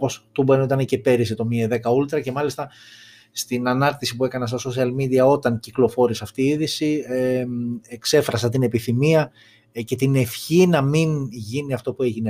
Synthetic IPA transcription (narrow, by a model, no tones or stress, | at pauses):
po̞st̪ubenoit̪ɐnece̞pe̞ɾiset̪o̞mieðe̞kɐult̪ɾɐce̞mɐlist̪ɐ | st̪inɐnɐɾt̪isipue̞kɐnɐs̬t̪o̞sosiɐlmid̪iɐo̞t̪ɐnciklo̞fo̞ɾisɐft̪iːiðisieekse̞fɾɐs̬ɐt̪̬ine̞piθimiɐ | ce̞t̪ine̞fçinɐminʝiniɐft̪o̞pue̞ʝine